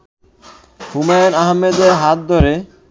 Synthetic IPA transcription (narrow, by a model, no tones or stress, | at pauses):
humajnaɦmːed̪eɦat̪̚d̪ʱɔɾe